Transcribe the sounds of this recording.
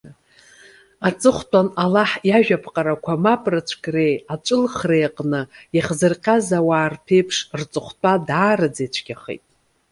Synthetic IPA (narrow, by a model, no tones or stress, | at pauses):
at͡sʼɨχʷtʷʼanalaħjaʒᶣapʰqʼaɾakʷʰamapʼrɨt͡ʃʷʰkʼre̞jat͡ʃʷʼɨlχrejqʼnɨiχzɨrqʲʼazawaːrpʰe̞jpʰʂrt͡sʼɨχʷtʷʼadaːrɨd͡zet͡ʃʷʰɡʲaχḛjtʼ